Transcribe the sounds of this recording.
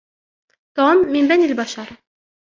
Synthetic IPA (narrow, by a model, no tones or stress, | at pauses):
d̪̥omːimbænilʲbɑʃɑɾɯ